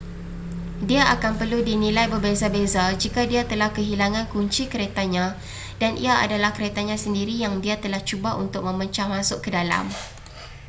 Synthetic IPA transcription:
diaʔakanpərludinĩlajbərbezabezad͡ʒikadiat̪əlahkəɦilaŋãnkuɲt͡ʃikəɾet̪aɲã | danʔḭaʔa̰dalahkəɾet̪aɲãsəndiɾijaŋdiat̪əlaht͡ʃubaṵnt̪ʊk̚mə̃məɲt͡ʃahmãsʊʔkːədala̰m

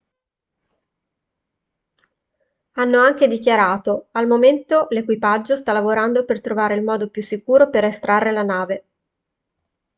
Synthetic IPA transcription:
anːoaŋked̪ik̟jaɾaːt̪oalmoment̪olekwipad͡ʒːost̪alːavoɾand̪opert̪ɾovaːɾeilmɔːd̪opjusːikuːɾoperest̪ɾarːelanaːve

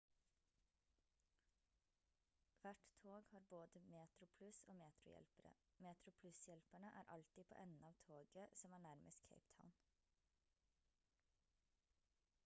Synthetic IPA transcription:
ʋæʈt̪ʰoːɡhɑːɾboːd̪əmeːt̪ɾʊpʰlʉsoːmeːt̪ɾʊ̰jɛ̰lpəɾə̰meːt̪ɾʊpʰlʉsjɛlpæɳəʔæːɾʔɑlt̪ipʰo̰ːʔɛnn̩ɑːʋt̪ʰoːɡəsɔmæːɳæɾmʔəst̪kʰḛɪpt̪ʰa̰ʊn

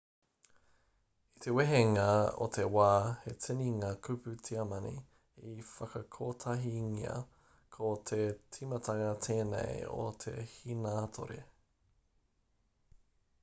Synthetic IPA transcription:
it̪eweɦeŋao̰t̪ʰe̞waːhet͡sɪniŋaːkʰʉpʉtʰiɐmɐnḭ | ifɐkɐkʰoːtʰɐɦiŋiɐ̰ | kʰot̪ʰet͡sʰimɐtɐŋɐt̪ʰeːnḛjo̰t̪ʰe̞̰hinaːt̪ʰo̰ɾḛ

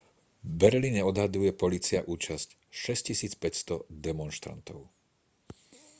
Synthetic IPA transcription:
bɛɾliːɲɛɔd̪ɦad̪ujɛpɔliːt͡siaʔuːt͡ʃasc | ʃɛscisiːt͡spɛcst̪ɔd̪ɛmɔnʃt̪ɾa̰nt̪ɔʊ

